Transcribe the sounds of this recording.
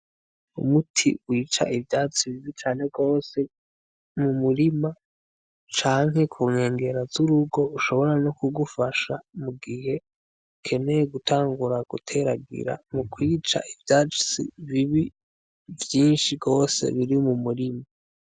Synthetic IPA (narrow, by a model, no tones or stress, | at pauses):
ṵmutʰḭwiːt͡ʃa̰ʔivjaːt͡siβiβit͡ʃaːne̞ɡo̞ːse̞ | mumuɾima | t͡ʃaːŋɦhe̞kʰuŋe̞ːŋɡe̞ɾazuɾuɡo̞uʃo̞βo̞ɾanokuɡufaʃamuɡihe̞ | ukʰe̞ne̞jeɡutʰaːŋɡuɾaɡ̥ṵtʰe̞ɾaɡḭɾa̰mukwiːt͡ʃa̰ʔivjat͡ʃsḭβiβi | vjiːnʃiɡo̞ːse̞̰βiɾimumuɾimaa